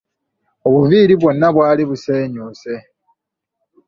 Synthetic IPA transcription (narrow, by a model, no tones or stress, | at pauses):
o̞βuviːɾiβwo̞nːaβwaːliβuse̞ːɲuːse̞